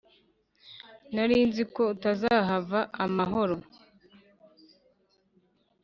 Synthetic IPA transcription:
naɾiːnziko̞utazaɦavaʔamaɦo̞ɾo̞

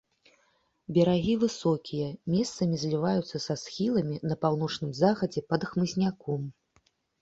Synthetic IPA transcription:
bʲɛɾaɣʲivɨsɔkʲijɐmʲɛst̪sɐmʲizʲlʲivajut̪sːɐsasxʲilˠɐmʲinɐpawn̪ɔt͡ʂnɨmzaɣɐd͡zʲɛpɐd̪xmɨzʲnʲakɔm

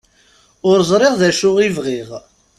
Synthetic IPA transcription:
ʊɾzˤɾˤeʁðæʃʊʁivʁiʁ

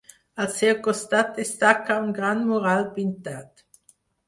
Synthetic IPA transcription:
alsekɔst̪at̪̚d̪est̪akaunɡʁandmoʁalpint̪at̪

